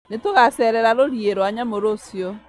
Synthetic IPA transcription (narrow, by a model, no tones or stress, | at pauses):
netoɣasɛɾɛɾaɾoɾjeɾoaɲamoɾosjɔ